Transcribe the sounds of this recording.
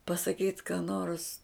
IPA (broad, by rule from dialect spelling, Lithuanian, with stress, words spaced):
pɐsɐˈkʲiːt kɑː noːrs